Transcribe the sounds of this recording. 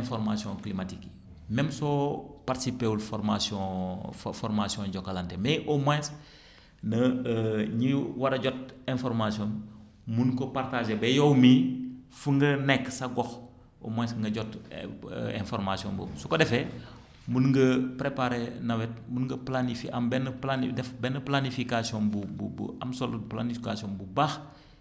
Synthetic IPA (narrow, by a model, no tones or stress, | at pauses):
ɛ̃nfɔɾmasiɔ̃klimatik | mɛmsɔpaɾtsipeulfɔɾmasɔ̃ | fɔɾmasiɔ̃ɟɔkːalantemɛʔɔmɛ̃s | nɐ | ɲiwaɾɐɟɔt̚ɛ̃nfɔɾmasiɔ̃n | munkɔpartaʒebɛjɔwmifuŋɡɐnɛkːsaɡɔx | o̰mɛjsŋɡɐɟɔt | ḛ̃nfɔɾmasiɔ̰nbo̰sukodɛfe | munŋɡɐpɾepaɾenɐwɛt̚munŋɡɐplanifiʔambɛnplanidɛfbɛnɐplanifikasiɔnbububṵa̰msoluplanifikasionbubax